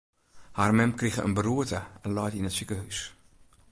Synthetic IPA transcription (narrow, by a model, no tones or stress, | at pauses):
harmɛmkrixəə̰nbəruətəɛnlɔjtinətsikəɦys